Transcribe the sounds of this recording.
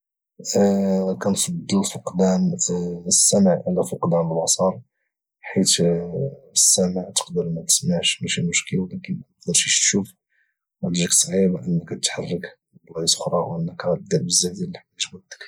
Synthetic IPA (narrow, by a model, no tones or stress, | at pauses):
kænfɑd̪ˤːəlfʊqd̪æn | sːæməʕʔlæfʊqd̪ænəlwɑsˤɑɾˤ | ħit̪ | əsːæməʕt̪ə̥qd̪əɾmæt̪ə̥smaʕʃmæʃimʊʃkəlwlækənnəqd̪əɾʃiʃt̪ʃuf | wæd̪iʒəksˤʕibaʔənːəkæt̪ət̪ħarːək | blɑisə̥xɾˤɑwʔənːəkɣæt̪d̪æbəzːæd̪jælːiħæʒwæd̪ːə̥k